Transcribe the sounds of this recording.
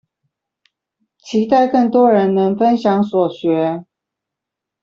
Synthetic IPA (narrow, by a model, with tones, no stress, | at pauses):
t͡ɕʰi˧˥t̪a˥˧ɪkɤ˥˩ŋt̪wɔ˥ɻə˧˥nnə˧˥ŋfə˦nɕjɑ˧˥ŋswɔ˨˩ɕɥɛ˧˥